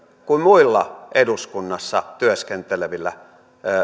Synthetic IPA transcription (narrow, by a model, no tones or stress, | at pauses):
kummuilːɑʔeduskunːɑsːɑ̰t̪yøskent̪eleʋilːæ̰